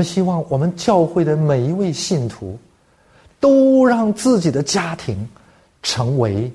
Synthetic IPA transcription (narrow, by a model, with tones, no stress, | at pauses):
ə˧nɕi˥wɑ˥˩ŋwɔ˨˩mə˦nt͡ɕjɑ˥˧ʊxwe˥˩ɪd̪ə˩me˨˩ɪi˧˥we˥˧ɪɕi˥˩nt̪ʰṵ˧˥ | t̪o˥ʊɻɑ˥˧ŋt͡sɹ̩˥˩t͡ɕi˨˩d̪ə˦t͡ɕja˥t̪ʰi˧˥ŋ | ʈ͡ʂʰɤ˧˥ŋwe˧˥ɪ